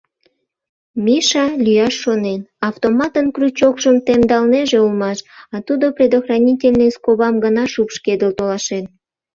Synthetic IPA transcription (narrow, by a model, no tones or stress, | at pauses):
mʲiʃɑlʲyjɑʃːonenɑft̪omɑt̪ənkrut͡ɕokʃəmt̪emd̪ɑlneʒeulmɑʃɑt̪ud̪oprʲed̪oxrɑnʲitʲelʲneskoβɑmɡənɑʃupʃked̪əlt̪olɑʃen